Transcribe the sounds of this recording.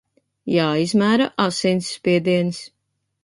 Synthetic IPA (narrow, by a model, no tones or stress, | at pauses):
jaːizmæːɾaʔasinsːpʲiɛd̪iɛns